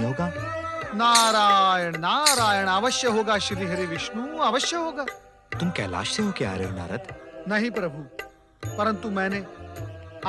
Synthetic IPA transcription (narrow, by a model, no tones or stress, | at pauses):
ɦoːɡaːnaːɾaːjɐɳnaːɾaːjɐɳɐʋɐʃjɐɦoːɡaːʃiɾiːɦɐɾiʋiʃnuɐʋɐʃjɐɦoːɡaː | t̪umkɛ̰ːla̰ːʃeɦoːkea̰ːɾeɦona̰ːɾɐt̪nɐɦĩpɾɐbʱu | pɐɾɐnt̪umɛːne